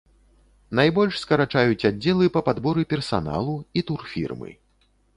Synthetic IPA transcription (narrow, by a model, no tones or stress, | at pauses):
najbɔlʲʂskɐɾat͡ʂajut͡sʲad͡zʲːɛlˠɨpɐpad̪bɔɾɨpʲɛrsa̰na̰lˠuit̪urfʲḭrmɨ̰